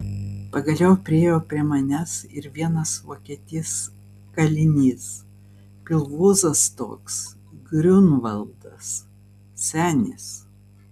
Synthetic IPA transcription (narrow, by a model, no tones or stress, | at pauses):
pɐɡɐlʲɛʊpʲɾʲɪeːjoːpʲɾʲiɛmɐnʲɛsɪɾʋʲiɛnɐsʋoːkʲiɛt̪ʲɪs | kɐlʲɪnʲiːs | pʲɪlˠʋuːzɐst̪o̰ːks | ɡɾʲʊnʋɐlˠd̪ɐs | sʲæːnʲɪs